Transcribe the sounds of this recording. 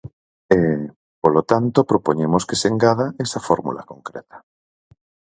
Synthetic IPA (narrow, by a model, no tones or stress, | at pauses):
e | polot̪ant̪opɾopoɲemoskeseŋɡaðaesafoɾmṵla̰koŋkɾḛt̪ḁ